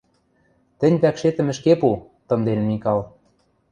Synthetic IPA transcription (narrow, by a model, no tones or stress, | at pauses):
t̪ɘ̆nʲβækʃet̪ɘ̆mɘ̆ʃkepu | t̪ɤ̆nd̪enmikɑlˠ